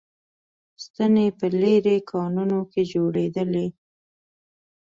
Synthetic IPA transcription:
st̪ənepəleɾekʰɑnunoked͡ʒoɽed̪əle

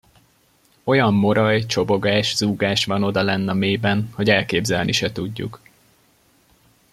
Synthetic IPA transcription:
o̞jɒmːo̞ɾɒjt͡ʃo̞bo̞ɡaːʃz̥uːɡaːʃʋɒno̞d̪ɒlɛnːɒmeːbɛnho̞ɟɛlkeːbzɛlnʔiʃɛt̪uɟːṵk

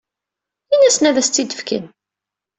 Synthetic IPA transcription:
inæsnævæst̪t͡sːid̪əfkə̰n

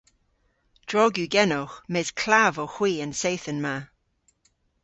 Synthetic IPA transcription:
d̥ɹɔɡjuɡɛnɔxmɛːz̥kʰl̥avɔxw̥iːənsejθənma

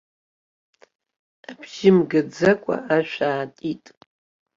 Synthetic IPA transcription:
abʒɪmɡad͡zakʷʼa̰ʔaʃᶣʷaːtʼitʼ

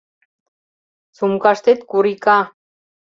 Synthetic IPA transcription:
t͡sumkaʃt̪et̪kuɾika

